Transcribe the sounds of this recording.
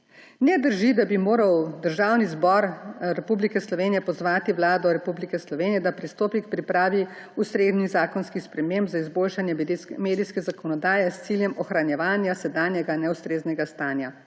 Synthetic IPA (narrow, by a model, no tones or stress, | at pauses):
nɛd̪əɾʒid̪abimoːɾawd̪əɾʒawnizbɔɾɾɛpublikɛslɔʋeːnijɛpɔzʋaːt̪iʋlaːd̪ɔɾɛpublikɛslɔʋeːnijɛd̪apɾist̪oːpikpɾipɾaːʋi | ust̪ɾeːd̪nizaːkɔnskixspɾɛmembzaizboːlʃanjɛmeːd̪iskɛzakɔnɔd̪aːjɛst̪siljɛmɔxɾanjɛʋaːnjasɛd̪aːnjɛɡanɛust̪ɾeːznɛɡast̪aːnja